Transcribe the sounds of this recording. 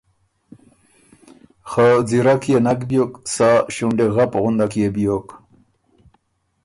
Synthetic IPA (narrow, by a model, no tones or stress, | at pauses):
xad͡ziɾakjenakbjoksaɕuɳɖeɣapɣʊnd̪akjebijok